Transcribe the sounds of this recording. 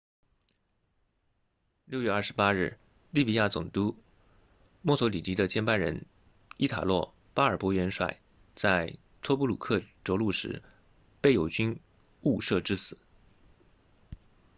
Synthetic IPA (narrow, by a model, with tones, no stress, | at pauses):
ljʊɥɛ˥˧ɐ˞˥˩ʂɻ̩˧˥pa˥ɻɻ̩˥˩ | li˥˩pi˨˥ja˥˩t͡sʊ̰˨˩ŋt̪u˥ | mɔ˥˩t͡sʰɔ˧˥li˨˩t̪i˧˥d̪ə˧t͡ɕjɛ˥npa˥˩nɻə̰˧˥n | i˥t̪ʰa̰˨˩lwɔ˥˩ | pa˥ə˞˨˩pwɔ˧˥ɥɛ˧˥nʂwa̰˨˩ɪ | t͡sa˥˧ɪ | t̪ʰwɔ˥pu˥lṵ˨˩kʰɤ˥˩ʈ͡ʂo˧˥ʊlu˥˩ʂɻ̩˧˥ | pe˥˩ɪjo˨˩ʊt͡ɕy˥n | u˥˧ʂɤ˥˧ʈ͡ʂɻ̩˥sɹ̩˨˩˦